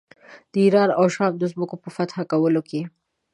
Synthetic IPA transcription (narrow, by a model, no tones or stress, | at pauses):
d̪̥iɾɑːɾawʃɑːmd̪əzməkopəfat̪xakawəloke